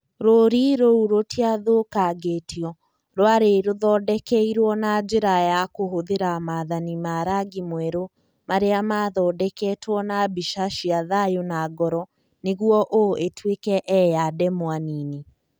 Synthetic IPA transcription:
ɾoːɾiɾouɾotiaðokaɡetʰiɔ | ɾoaɾeɾoðɔːdɛkɛiɾwɔnad͡ʒeɾajakoɦoðeɾamaðanimaɾaɡimwɛɾo | maɾeamaðɔːdɛkɛtwɔnabiʃaʃiaðajonaɡɔɾɔ | neɣwɔʔoʔetwekɛʔɛjadɛmwaniːne

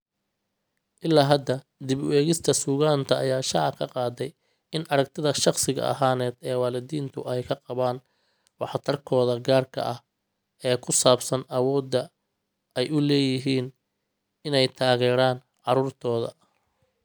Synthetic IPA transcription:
ʔɪlːaːɦɐd̪ɐ | d̪ɪβwɛːɣɪst̪ʰɐsuːɣaːnt̪ʰɐːjaːʃɑʕkʰɐqɑːd̪ɛj | ɪnʔɐɾɐkt̪ʰɪðɐʃɑqsɪɣɐ̰ʔɐ̰ɦaːnɛːd̪ɛːwɑːlɪd̪iːnt̪ʰʊɛjkʰɐqɑβaːn | wɑħt̪ʰɐrkʰɔːðɐɡaːrkʰɐ̰ʔɐh | ɛːkʰʊsaːbsɐnɐwɔːd̪ːɐ | ɛjʊlɛːjɪɦiːn | ɪnɛjt̪ʰaːɣɛːɾaːn | ʕɑɾuːrt̪ʰɔːðɐ̰

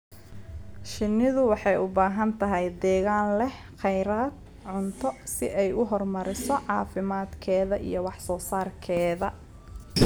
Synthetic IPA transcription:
ʃɪnːɪðʊwɑħɑjʊbaːɦɐnt̪ʰɐɦɛjd̪ɛːɣaːnlɛh | qɛjɾaːd̪̚ | ʕʊnt̪ʰɔsɪʔɛjʊɦɔrmɐɾɪsɔʕɑːfɪmaːd̪kʰɛːðɐʔḭjɔwɑħsɔːsaːrkʰɛːðɐ

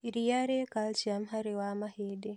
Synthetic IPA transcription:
iɾijaɾekalt͡ʃiamɦaɾewamaheːdɛ

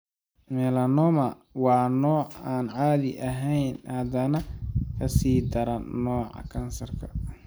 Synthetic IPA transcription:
mɛːlɐnɔmɐ | wɑːnɔːʕaːnʕaːðɪ̰ʔɐɦɛjnhɐd̪ɐnɐkʰɐsiːd̪ɐɾɐnɔːʕɑ̰kʰɐnsɐrkʰɐ̥

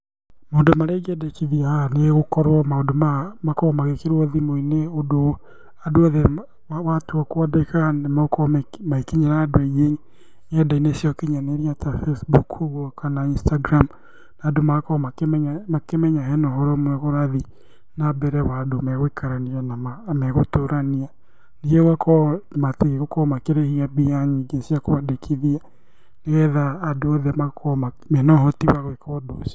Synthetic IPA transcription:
maondomaɾeɡɛdɛkiðiahaneɣokɔɾwɔmaodomamakɔɔmaɣekeɾwɔðimoineodo | adoaðe | watoɔkoɔdekanemaokɔmmaikiɲanaːdoɛɣeɲ | ɲɛdainesjɔkiɲaneɾiatafesbukhuɣɔkanainstaɡɾam | naːdomakɔmamakemɛɲaɦɛnɔɦɔɾɔmwɛɣoɾaði | nabɛɾɛwadomɛɣwekʰaɾanianamamɛɣotoɾania | niɛwakʰɔmateɣeɣokɔmakeɾehiabiaɲeɡesiakoβadekʰiðia | neɣɛðaːdoɔðɛmakʰɔma | mɛnɔɦɔtiwaɣwɛkɔdo̰sḁ

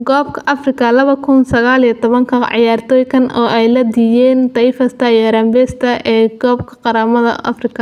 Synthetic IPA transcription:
ɡɔːb̚kʰɐʔɐfrɪkʰɐlɐβɐkʰʊnsɐɣaːlijt̪ʰɔβɐŋkʰɐʕɪ̰jaːrt̪ʰɔːjkʰɐnɔːʔɛjlɐd̪ijɛːnt̪ɐjfɐst̪ʰɐijɐɾɐmbɛst̪ʰɐʔɛːɡɔːb̚kʰɐ̥qɑɾaːmɐðɐ̰ʔɐ̰frɪkʰɐ

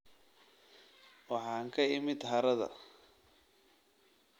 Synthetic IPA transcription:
wɑħɑːŋkʰɐɪmɪd̪ɦɐɾɐðɐ̰

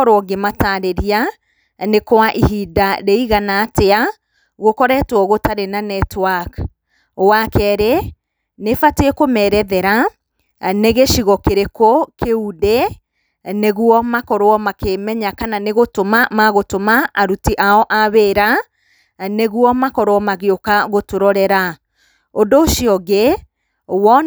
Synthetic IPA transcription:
ɔɾɔɡemataɾeɾia | nekowaʔihidaɾeiɣanaːtea | ɣokɔɾɛtwɔɣotaɾenanɛtwak | owakɛːɾe | nefateekomɛːɾɛðɛɾa | neɣeʃiɣɔkeɾekokeude | neɣuɔmakɔɾoɔmakemɛɲakananeɣotomamaɣotomaːɾutiʔaɔʔaβeːɾa | neɣwɔmakɔɾɔɔmaɣeokaɣotoɾɔɾɛɾa | ondoːʃiɔɣe | wɔ

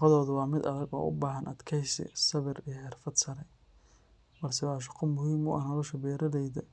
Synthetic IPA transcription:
qɔðɔːðʊwɑːmɪd̪ɐðɐɡɔ̰ːʔʊ̰baːɦɐnʔɐd̪kʰɛjsɪ̰sɐβɪrijɐħɪrfɐd̪sɐɾɛ | bɐlsɛwɑːʃ̬ɑ̥qɔmʊhiːmʊ̰ʔɐnɐlɔʃɐbɛːɾɐðɛjðɐ

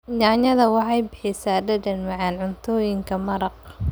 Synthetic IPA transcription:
ɲɑːɲɐðɐwɑħɑjbɪħɪsaːɖɐdɐnmɐʕɑnʕʊnt̪ʰɔːjɪŋkʰɐmɐɾɐq̚

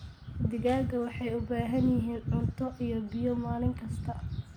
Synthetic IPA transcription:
d̪ɪɣaːɡɐwɑħɑjʊbaːɦɐnjɪɦiːnʕʊnt̪ʰɔʔijɔbɪjɔmaːlɪŋkʰɐst̪ʰɐ

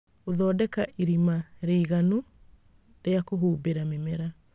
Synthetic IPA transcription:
oðɔːdɛkaʔiɾimaɾeiɣano | ɾeakoɦuːbeɾamemeɾa

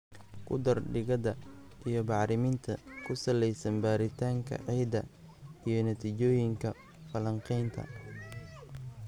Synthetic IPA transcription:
kʰʊ̰d̪ɐrɖɪɣɐðɐʔijɞbɑʕɾɪmɪnt̪ʰɐkʰʊsɐlɛjsɐnbaːɾɪt̪ʰaːŋkʰɐ̰ʕiːd̪ɐ̰ | ijɞnɐt̪ʰiːt͡ʃɔːjɪŋkʰɐ | fɐlɐɴqɛjnt̪ʰɐ̰

